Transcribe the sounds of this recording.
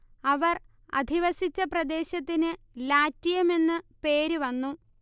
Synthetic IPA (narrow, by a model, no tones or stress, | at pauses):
ɐʋɐr | ɐ̰d̪ʱiʋɐsit͡ɕːɐprɐd̪e̞ːɕɐt̪ːinɨ | laːtːijɐme̞nːɨpe̞ːɾuʋɐnːu